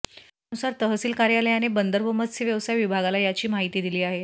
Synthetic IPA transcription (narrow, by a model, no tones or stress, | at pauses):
nusaɾt̪əɦəsiːlkaɾjaləjanebənd̪əɾʋəməsiʋjəʋsajʋibʱaɡalajat͡ɕiːmaɦit̪iːd̪iliːaɦe